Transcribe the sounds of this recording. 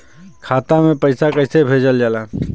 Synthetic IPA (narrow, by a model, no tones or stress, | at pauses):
kʰaːt̪amẽpəɪsakəɪsebʱeːd͡ʒəld͡ʒala